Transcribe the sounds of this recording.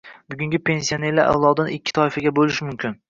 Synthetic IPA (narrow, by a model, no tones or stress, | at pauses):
bʊɡʲʊŋɡʲɪpʰe̞nsijone̞ɾlaɾʔa̰wlˠɒd̪anɪkʲːɪ̥t̪ʰɒɪfaɡʲabolɪʃɪmʊmkʲɪn